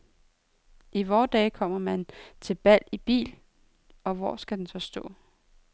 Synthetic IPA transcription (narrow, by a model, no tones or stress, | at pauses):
ʔiʋɒːd̥ɛːkʰɒ̽m̰ɐmænt͡sʰe̝lb̥æl̰ib̥ḭːl | ɒ̽ʋɒ̰sɡ̥æd̥ensɒ̽sd̥ɔ̰̽ː